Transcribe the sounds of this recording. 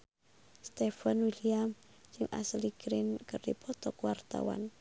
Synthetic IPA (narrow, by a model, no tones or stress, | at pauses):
st̪ɛfanwiliam | t͡ʃɪŋʔa̰slikɾɪnkərdipʰɔt̪ɔkwart̪a̰wa̰n